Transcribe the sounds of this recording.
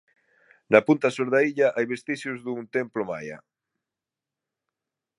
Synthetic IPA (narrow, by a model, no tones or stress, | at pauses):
napunt̪asoɾðaiʎaʔajβest̪iʃʊzðuŋt̪emploma̰ja̰